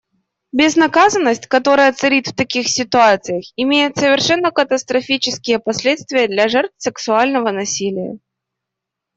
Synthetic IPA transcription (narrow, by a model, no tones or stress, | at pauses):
bʲɪznɐkazənːəsʲtʲkɐt̪o̞ɾəjət̪sɨɾʲit̪ft̪ɐkʲixsʲɪt̪ʊat̪sɨjəxɪmʲejɪt̪səvʲɪrʂɛnːəkət̪əst̪ɾɐfʲit͡ɕɪskʲɪjəpɐsʲlʲet̪st̪vʲɪjəd̪lʲɐʐɛrt̪fsʲɪksʊalʲnəvənɐsʲilʲɪjə̰